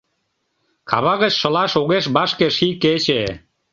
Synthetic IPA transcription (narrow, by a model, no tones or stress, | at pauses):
kʰɑβɑɣət͡ɕʃə̆lɑʃoɣeʃbɑʃkeʃiket͡ɕe